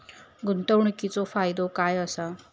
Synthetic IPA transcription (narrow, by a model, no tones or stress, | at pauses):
ɡunt̪əwɳ̃kit͡sofajd̪okajəsə